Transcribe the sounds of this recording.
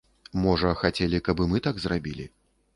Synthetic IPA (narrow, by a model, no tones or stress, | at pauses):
mɔʐɐxat͡sʲɛlʲikɐbɨmɨt̪aɡzrabʲilʲḭ